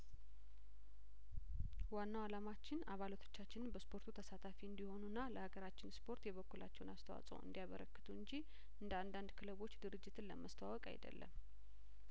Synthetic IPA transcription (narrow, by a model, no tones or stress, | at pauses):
wanːawalamat͡ʃːɪnaβalot̪ʰə̥t͡ʃːat͡ʃːɪnnbəspʰo̞ɾt̪ʰut̪ʰəsat̪ʰafiɨnd̪iho̞nunːaləhaɡəɾat͡ʃːɪnspʰo̞ɾt̪jɛβəkːula̰t͡ʃːɛwnast̪ʰəwa̰sʼə̰wʔɨ̰nd̪ijaβəɾəkːɨ̥t̪ʰuɨɲd͡ʒi | ɨnd̪əand̪and̪kʰɨləβo̞t͡ʃːd̪ɨɾɨd͡ʒːɪt̪ʰɨnləməst̪ʰəwawɔkʼa̰jd̪ə̰lːə̰mː